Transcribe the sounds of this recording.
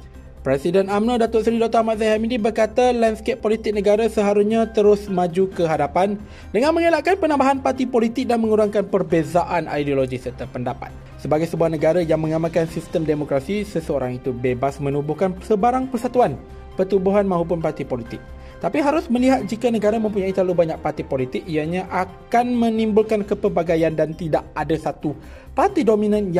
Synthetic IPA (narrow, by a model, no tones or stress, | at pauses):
pɾesidənamnadat̪ɔtsɾidɔk̚t̪aamat̪̚zajɦamidibərkat̪alanskep̚ːolit̪ɪk̚nəɡaɾasəɦaɾusɲat̪əɾʊsmãd͡ʒukəɦadapan | dəŋãnmə̃ŋelaʔkanpənãmbaɦanpart̪ipolit̪ɪk̚danmə̃ŋuɾaŋkanpərbezaʔanʔa̰jdioloɡisərt̪apəndapa̰t̪̚ | səbaɡajsəbuahnə̃ɡaɾajaŋmə̃ŋamãlkansist̪əmdemokɾasisəsəoɾaŋit̪ubebasmə̃nubuhkansəbaɾaŋpərsat̪uan | pərt̪ubuɦanmãɦup̬ʊnpart̪ipolit̪ɪk̚ | t̪apiɦaɾʊsmə̃liɦat̪̚d͡ʒikanəɡaɾamə̃mpuɲait̪alubaɲak̚part̪ipolit̪ɪk̚ijaɲãʔakanmə̃nimbʊlkankəpəbaɡajandant̪idaʔadasat̪u | part̪idomĩnãnj